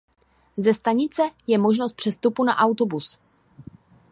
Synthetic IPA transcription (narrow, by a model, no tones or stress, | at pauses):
zɛst̪aɲɪt͡sɛjɛmoʒnost̪pr̥ɛst̪upunaʔawt̪obus